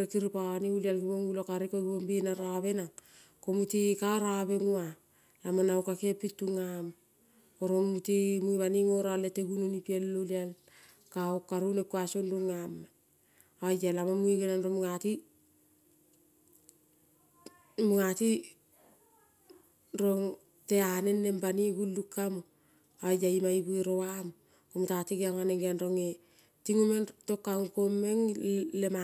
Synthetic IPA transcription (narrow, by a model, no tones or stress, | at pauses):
ɾekiɾipaaniulialɡimoŋulokaɾikoɡiombinaɾaβe̞naŋ | komutikaɾaβe̞ŋua | lamanaokakepitːuŋam | oɾonmutimuiβaniŋo̞ɾaleteɡununipielːolial | kaokːaɾunekuasonduŋam | ajalamamuiɡenanɾomuŋati | muŋati | ɾoŋ | teanenːembaniɡulːukːamo | ajaimaibuiɾowamo | komutatikeaŋaneŋɡanɾoŋe | tiŋomentokːaŋkomːeŋlema